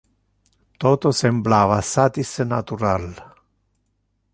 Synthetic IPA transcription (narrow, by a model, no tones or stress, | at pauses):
t̪ɔːt̪osemblaːvasat̪isenat̪uɾal